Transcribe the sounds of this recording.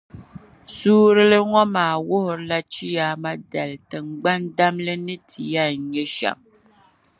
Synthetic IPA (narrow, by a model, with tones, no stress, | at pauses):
suː˦ɾɨ˦lɨ˦ŋɔ˦maː˨wʊ˦hʊ˨ɾla˦t͡ʃi˦ja˨ma˦dɛ˨ltɨ˨ŋ͡mɡ͡ba˦nda˦mlɨ˦nɨ˦tʰi˨ja˦˨ɲɛ˦ʃa̰˨ŋ